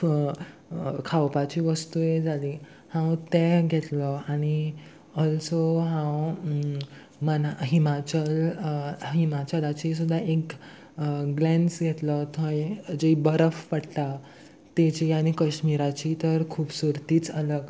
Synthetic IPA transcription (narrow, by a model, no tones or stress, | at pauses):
kʰawpat͡ɕiːʋəst̪ujed͡zʱali | hãwt̪ẽɡʱɛt̪lɔaɽ̃i | əlt͡soɦãw | mənaɦimat͡ɕəl | ɦimat͡ɕəlat͡ɕis̬ud̪ʱːaʔek | ɡlɛ̃nsɡʱɛt̪lət̪ʰə̃ẽd͡ʑibəɾəfpəɽt̪a | t̪et͡ɕiaɽ̃ikəɕmiɾat͡ɕit̪əɾkʰuːpsuɾt̪iːt͡sələɡ